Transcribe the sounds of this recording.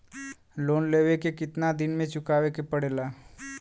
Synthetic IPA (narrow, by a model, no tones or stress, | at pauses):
loːnleːʋekekɪt̪nad̪ɪnmẽt͡ʃʊkaːʋekepəɽeːlaː